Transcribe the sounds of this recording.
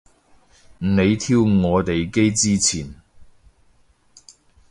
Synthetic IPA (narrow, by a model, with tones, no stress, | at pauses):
m̩˨˩ne˨˧jt̪ʰiː˧˥wŋɔː˨˧t̪e˨jke˥jt͡siː˥t͡sʰiː˨˩n